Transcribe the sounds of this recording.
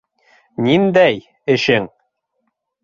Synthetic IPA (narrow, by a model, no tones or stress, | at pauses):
nind̪æj | ɘ̆ʃɘŋ